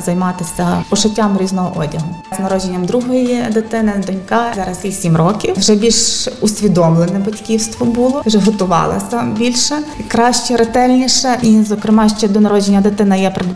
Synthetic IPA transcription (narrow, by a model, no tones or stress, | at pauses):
zɐjmɑt̪ɪsʲɐpɔʃʊtʲːamɾʲiznɔɦɔʔɔdʲɐɦʊznɐɾɔd͡ʒenʲːɐmd̪ɾuɦɔjid̪ɪt̪ɪnɪd̪ɔnʲkɑzɛɾɐsʲisʲimrɔkʲiwwʒɛbʲilʲʃʊsʲʋʲid̪ɔmlˠenɛbɐtʲkʲiwst̪ʋɔbulˠɔwʒɛɦɔt̪ʊʋɑ̰lˠɐ̰sʲɐbʲilʲʃɛkɾɑʃt͡ʃɛɾet̪ɛlʲnʲiʃɐʔizɔkɾɪmɑʃt͡ʃɛd̪ɔnɐɾɔd͡ʒenʲːɐd̪ɪt̪ɪnɐjɛpɾed̪